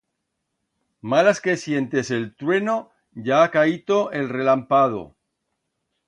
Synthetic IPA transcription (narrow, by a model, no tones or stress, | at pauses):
malaske̞sje̞nt̪e̞se̞lt̪ɾwe̞no̞ | ʝaakait̪oʔelre̞lampað̞o̰